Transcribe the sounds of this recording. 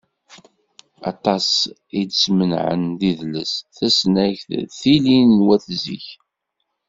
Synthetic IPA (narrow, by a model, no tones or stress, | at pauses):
ɑ̰t̪ˤɑs | id̪smənʕə̰nðiðləsθæsnæçθθilinːwæθzḭç